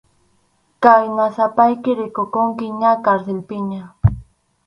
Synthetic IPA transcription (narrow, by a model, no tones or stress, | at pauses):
kajnasapajkɪɾɪkokʊŋkɪɲakaɾselpɪɲa